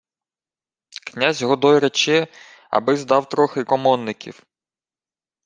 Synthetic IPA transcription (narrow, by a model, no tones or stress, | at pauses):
knʲazʲɦɔd̪ɔjɾet͡ʃɛ | ɐ̰bɪzd̪ɑwt̪ɾɔxɪkɔmɔnːɪkʲʰḭw